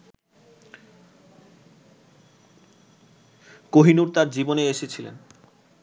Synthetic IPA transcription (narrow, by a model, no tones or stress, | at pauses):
koɦinuɾt̪aɾd͡ʑiboneeʃet͡ɕʰilḛn